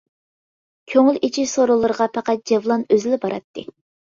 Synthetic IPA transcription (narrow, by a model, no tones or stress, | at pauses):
kʲʰøŋylit͡ʃʰiʃsoɾəlˠɨɾəʁɑpʰɑqɑt̪̚d͡ʒevlˠɑnøzɪlɪbɑɾɑt̪ʰːɨ̰